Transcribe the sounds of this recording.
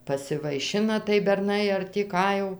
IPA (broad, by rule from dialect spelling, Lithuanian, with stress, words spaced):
pɐsʲɪʋɐɪˈʃʲɪnɐ tɐɪ bʲɛrˈnɐɪ ɐr tʲiː ˈkɑː jɛʊ